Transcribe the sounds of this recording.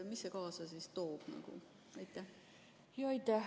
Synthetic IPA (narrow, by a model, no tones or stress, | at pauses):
misːekɑːsɑsist̪o̞ːb̥nɑ̰ɡ̥ṵ | ɑjt̪ːˑæ | joijt̪æ